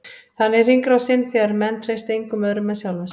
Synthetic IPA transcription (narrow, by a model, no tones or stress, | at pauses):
θanːɪr̥iŋkɾawsɪnθɛɣaɾmɛnːt̪r̥ejst̪ejŋkʏmœðɾʏmɛðsjawlas